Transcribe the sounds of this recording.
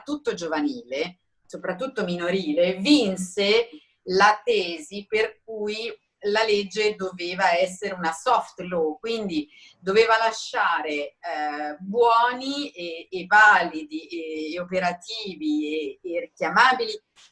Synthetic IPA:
t̪ːut̪ːod͡ʒovaniːle | sopɾat̪ːut̪ːominoɾiːlevinse | lat̪ɛːziperk̚uj | laled͡ʒːed̪oveːvaɛs̬ːeɾeunasɔft̪lokwind̪i | d̪oveːvalaʃːaːɾe | bwɔːnieːvaːlid̪ieopeɾat̪iːvieːrik̟jamaːbili

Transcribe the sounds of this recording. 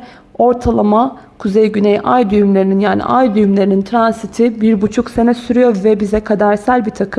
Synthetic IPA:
o̞ɾt̪ʰalˠama | kʰuzejɟynejʔa̰jd̪yjymlʲeɾininjaːnḭʔajd̪yjymlʲe̞ɾinint̪ʰɾansit̪ʰibiɾbut͡ʃʰukse̞nɛsyɾyjo̞ɾvɛbizɛkʰad̪aɾsælʲbit̪ʰakʰɯm

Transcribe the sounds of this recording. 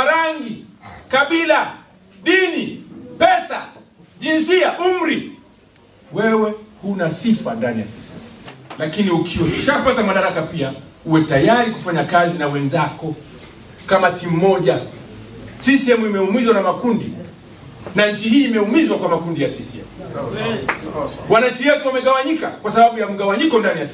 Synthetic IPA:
aɾaŋɡikaɓila | ɗinipɛsaʄinsiaʔum̩ɾi | wɛwɛhunasifandanija̰sisiɛ̰mulakiniukʰiwɛʃapatamaɗaɾakapiauwɛtajaɾiku̥faɲakazinawɛnzakɔ | kamatim̩mɔʄa | sisiɛmuimɛumizwanamakundḭ | naɲ̩t͡ʃihiːmɛumizwakwamakundijasisiɛ̰mu | wanaɲ̩t͡ʃiwɛtuwamɛɠawaɲika̰kwasaɓaɓujam̩ɠawaɲikɔndanija

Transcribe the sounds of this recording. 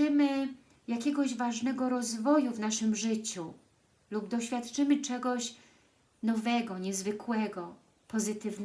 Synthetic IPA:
ɘmɘ | jakʲɛɡɔʑvaʐnɛɡɔɾɔzvɔjuvnaʂɘmʐɘt͡ɕu | lubd̪ɔɕfʲjat̪t͡ʂɘmɘt͡ʂɛɡɔɕ | nɔvɛɡɔɲɛzvɘkwɛɡɔ | pɔzɘt̪ɘvn

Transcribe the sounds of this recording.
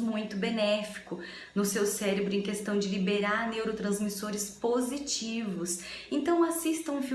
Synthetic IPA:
mũj̃t̪ʊbenɛfi̥kʊ | nʊsewsɛɾebɾʊẽj̃kest̪ɐ̃w̃d͡ʒɪlibeɾaɾnewɾot̪ɾɐ̃zmisoɾɪspozit͡ʃivʊsẽnt̪ɐ̃w̃asist̪ɐ̃ũfi

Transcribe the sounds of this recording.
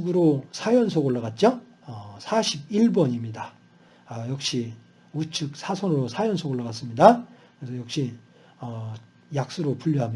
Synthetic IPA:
ɡɯɾosʰajʌns̬ʰoɡoɭːʌɣat̚t͡ɕ͈o | ʌsʰaɕʰib̚iɭbʌɲimɲida | jʌk̚ɕ͈i | ut͡ɕʰɯk̚sʰasʰʌnɾosʰajʌnsʰoɡoɭːʌɣas͈ɯmɲidakɯɾesʰʌjʌk̚ɕ͈i | ʌ | jak̚s͈uɾopuʎːʌɦam

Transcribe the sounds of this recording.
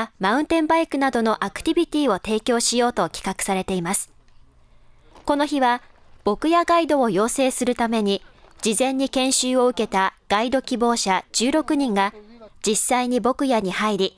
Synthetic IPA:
maɯ̟̃nt̪ẽ̞mbaikɯ̟nad̪o̞no̞ʔakɯ̟̥t̪ʲibʲit̪ʲiːo̞t̪e̞ːkʲo̞ːɕijo̞ːt̪o̞kʲi̥kakɯ̟̥saɾe̞t̪e̞imasɨ̥ | ko̞no̞çiβab̥o̞kɯ̟jaɡaid̪o̞ːjo̞ːse̞ːsɨɾɯ̟t̪ame̞ɲ̟id͡ʑizẽ̞ɲ̟ːikẽ̞ɰ̃ɕɨːo̞ɯ̟ke̞t̪aɡ̥aid̪o̞kʲibo̞ːɕad͡ʑ̥ɨːɾo̞kɯ̟ɲ̟ĩŋɡad͡ʑisaiɲ̟ibo̞kɯ̟jaɲ̟ihaiɾʲi

